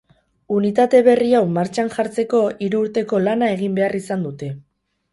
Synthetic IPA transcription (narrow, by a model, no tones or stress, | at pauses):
unit̪at̪e̞βe̞riawmaɾt͡ʃanʝaɾt͡se̞ko̞iɾuːɾt̪e̞ko̞lanae̞ɣ̞imbe̞arisand̪ut̪e̞